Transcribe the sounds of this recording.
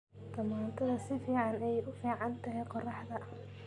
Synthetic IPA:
d̪̥ɐmaːnt̪ʰɐðɐsɪfiːʕɑnɛjʊfiːʕɑnt̪ʰɐɦɛjqɔrɑħd̪ɐ

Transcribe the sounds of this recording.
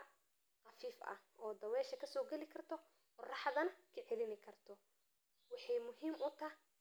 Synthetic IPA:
qɑfiːfɐ̰ɔːd̪ɐwɛːʃɐkʰɐsɔːɡɛlɪkʰɐrt̪ʰɔ | qʊrɑħðɐnɐkʰɐʕɛlɪnɪkʰɐrt̪ʰɔ | wɑħɑjmʊɦiːmʔʊt̪ʰɐh

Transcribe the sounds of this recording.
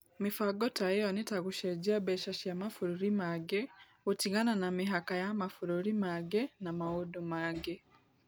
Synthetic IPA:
mifaɡotajeonitaɣuʃeɟiabeʃaʃiamafuɾuɾimaɡe | utiɡananamiɦakajamafuɾuɾimaɡenamawudumaɡe

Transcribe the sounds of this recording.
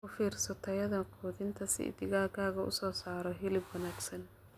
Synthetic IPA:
ʊfiːrsɐt̪ʰɐjɐðɐkʰɔːðɪnt̪ʰɐsɪ̰ɪ̰d̪ɪɣaːkʰaːɣɐʔʊ̰sɔːsaːɾɔɦɪlɪbwɐnaːɡsɐn

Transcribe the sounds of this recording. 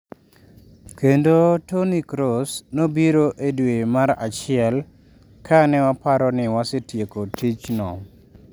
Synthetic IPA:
kendotonikɾosnobiɾoʔedwemaɾa̰t͡ʃɪɛl | kʰanɛwapaɾɔnɪwasɪtjekotit͡ʃnɔ

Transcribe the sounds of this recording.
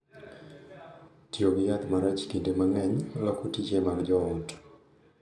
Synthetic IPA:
tjoɡjat̪maɾat͡ʃkindemaŋɛɲlɔkotit͡ʃemaɡd͡ʒɔɔt

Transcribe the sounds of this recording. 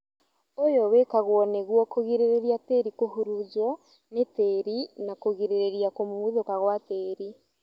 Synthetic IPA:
ojɔwekaɣwɔneɣwɔkoɣiɾeɾeɾiateɾikoɦuɾuzɔ | neteɾinakoɣiɾeɾeɾiakomomwiðokaɣwateːɾi

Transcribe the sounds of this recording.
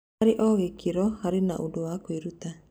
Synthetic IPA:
aɾeʔɔːɣekeɾɔhaɾenaʔodowakoeɾuta

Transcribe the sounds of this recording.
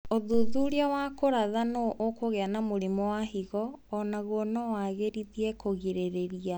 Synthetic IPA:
oðuðuɾiawakoɾaðanoʔokoɣeanamoɾimɔwaɦiɣɔːnaɣɔnɔwaɣeɾiðiɛkoɣiɾeɾeɾia

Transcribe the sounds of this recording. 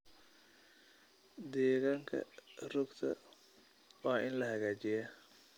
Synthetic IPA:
d̪ɛːɣaːŋkʰɐ̰rʊɡt̪ʰɐ̰ | wɑːʔɪnlɐɦɐɣaːt͡ʃɪja

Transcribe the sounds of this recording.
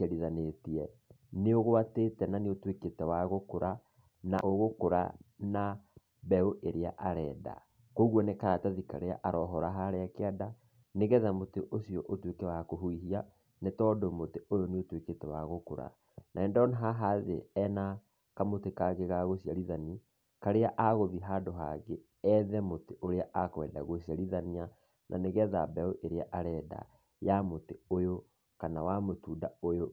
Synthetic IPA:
aɾiðanetiɛ | neoɣoatetɛnaneotweketɛwaɣokoɾʔa | na̰ʔoɣokoɾa̰na | βɛoʔeɾea̰ʔaɾɛːda̰ | koɣwɔnekaɾataðika̰ɾea̰ʔaɾɔɦɔɾaɦaɾeakeada | neɣɛðamoteʔosiɔʔotwekewakoɦuiɦia | netɔːdomoteʔojoneotweketɛwaɣoko̰ɾa̰ | nʔaɛːndɔnaɦaɦaðḛɛna | kamotekaɣeɣaɣosjaɾiðani | kaɾeaʔaɣoðiɦadoɦa̰ɣe | ɛðɛmoteʔoɾeaʔakwɛːda̰ɣosjaɾiðania | nʔa̰neɣɛða̰bɛoʔeɾeaʔaɾɛda̰ | jamoteojo | kanawamotuːdaojo

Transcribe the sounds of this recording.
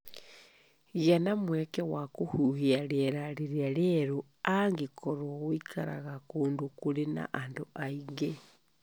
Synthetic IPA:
ɣanamwɛkɛwakohuhiaɾeɾaɾeɾiaɾeɾo | aŋɡekʰɔɾwɔɣoikʰaɾa̰ɣakoːndokuɾena̰ʔandoʔaiŋɡe

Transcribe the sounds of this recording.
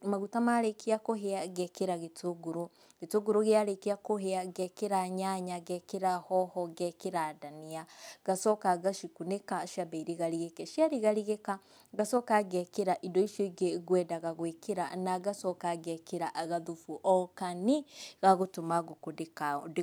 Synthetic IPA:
maɣutamaɾekʰeakoɦeaɣɛkeɾaɣetʰoɡoɾo | ɡetoɡoɾoɣeaɾekeakoɦeaɡɛkeɾaɲaɲaɣɛkeɾahɔhɔɡɛkeɾadaniaɡ̥asɔkaɣaʃikunekaʃabaiɾeɣaɾiɣekɛʃiaɾiɣaɾiɣeka | ɡasɔkaɣɛkeɾaʔidɔiʃjoiɡeɣwɛdaɣaɣwekeɾa̰naɡasɔkaɣɛkeɾaɣaðufuʔɔkaniɣaɣotomaɣokodekad

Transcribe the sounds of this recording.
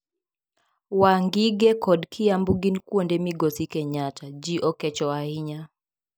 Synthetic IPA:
waŋɡiɡɛkɔdkʰɪjambuɡinkwondɛmiɡosikɛɲat͡ʃad͡ʒiʔɔkɛt͡ʃɔaiɲa

